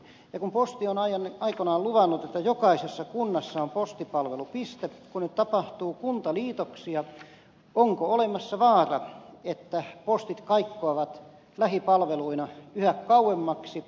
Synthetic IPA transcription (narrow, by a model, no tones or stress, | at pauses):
jɑkumpost̪ionɑiɑnɑikonɑːluʋɑnːut̪et̪ːæjokɑisesːɑkunːɑsːɑompost̪ipɑlʋelupist̪epkunnyt̪t̪ɑpɑht̪uːkunt̪ɑliːt̪oksiɑ | oŋkoolemɑsːɑʋɑːrɑ̰et̪ːæpost̪it̪kɑikːoɑʋɑt̪ | læhipɑlʋeluinɑyhækkɑuwemːɑksi